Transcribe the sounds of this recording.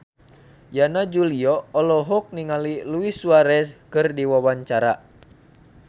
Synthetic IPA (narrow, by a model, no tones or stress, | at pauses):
janad͡ʒuliɔɔlɔɦɔk̚niŋaliluisuaɾɛskɨrdiwawaɲt͡ʃaɾa̰